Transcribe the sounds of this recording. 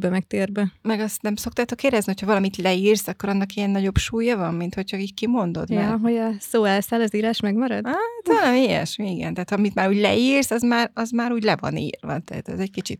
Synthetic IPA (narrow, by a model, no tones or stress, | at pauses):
bɛmɛk̚t̪eːrbɛmɛɡɒst̪nɛmso̞k̚t̪aːt̪o̞keːɾdɛznihochɒvɒlɒmit̪lɛiːrsɒkːo̞ɾɒnːɒkijɛnːɒɟo̞bʃuːjɒvɒmːint̪ho̞cʰhɒickimo̞nd̪o̞̰d̪mɛɦo̞ɟɒsoːɛlsaːlɒziːɾaːʃmɛɡmɒɾɒ̰d̪at̪ɒlɛmeːjɛ̰ʃmiiɡɛ̰nt̪ɛːt̪hɒɒmit̪maːɾuːɟlɛiːrsɒzmaːrɒzmaːɾuːɟlɛvɒ̰nḭːrvɒ̰t̪ɛ̰ːt̪ɛ̰zɛckit͡ʃḭt̪̚